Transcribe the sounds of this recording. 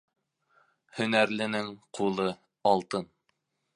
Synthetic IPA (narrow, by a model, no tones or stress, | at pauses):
hɵ̆næɾlɘ̆nɘŋqʰulˠɤ | ɑlˠt̪ɤn